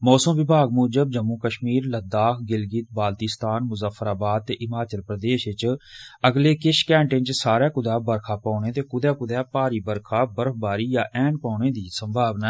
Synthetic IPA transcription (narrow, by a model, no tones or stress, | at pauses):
mɔːsəmʋɪbʱaːɡ̚moːd͡ʒəb̚d͡ʒəmːuːkəʃmiːɾləd̪aːkʰɡɪlɡiːt̪̚baːlt̪ist̪aːnmʊzəfʰːəɾaːbaːd̪̚t̪eːʔɪmaːt͡ʃəlpɾəd̪eːʃɪt͡ʃəɡleːkɪʃkɛ̃ːɳʈɪ̃nt͡ʃsaːɾɛːkʊd̪aːbəɾkʰaːpãːneːt̪eːkʊd̪ɛːkʊd̪ɛːpaːɾiːbəɾkʰaːbəɾəkʰbaːɾiːjaːʔɛːnpaːneːd̪iːsəmbʱaːʋnaː